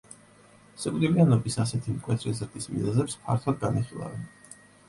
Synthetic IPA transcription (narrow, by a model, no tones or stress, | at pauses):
sɛkʼlilianɔbisasɛt̪ʰimkʼwɛt̪ʰɾɛzɾd̪ʼismḭzazɛpspʰa̰ɾt̪ʰlad̪̚ɡaniχilˠa̰vɛn